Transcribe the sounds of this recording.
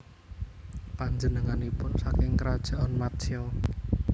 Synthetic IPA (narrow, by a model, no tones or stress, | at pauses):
paɲd͡ʒənəŋanipʊnsakɪŋkəɾad̥ʒ̥a̤ʔɔnmat̪t͡ʃiɔ